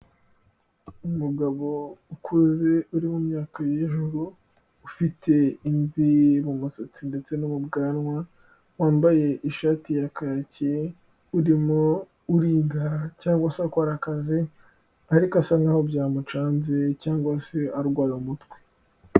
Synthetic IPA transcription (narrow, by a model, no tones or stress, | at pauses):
umuɡaβo̞ukʰuzeuɾimumɲaːkajeʒuɾuː | fitʰe̞iɱvimumusot͡sinde̞t͡se̞numubɡaːnŋwa | waːmbaje̞ʔiʃaːtijakaɾace | uɾimo | uɾiːɡaɾacaːŋɡwasakaɾakazi | aɾikasaŋahobjaːmut͡ʃaːnzecaːŋɡwaseaɾɡwaːjomutwe̥